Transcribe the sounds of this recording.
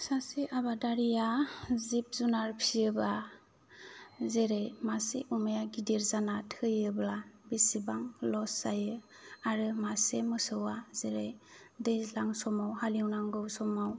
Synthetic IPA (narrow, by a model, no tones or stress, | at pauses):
saseʔabadaɾijazip̚zunaɾpʰiɯba | zeɾejmasḛʔumajaɡideɾzanatʰɯjɯblabisibaŋlɔsajɯ | aɾɯmasemɯsɯwazeɾej | dezlaŋsɔmawhaliwnaŋɡɯwsɔmaw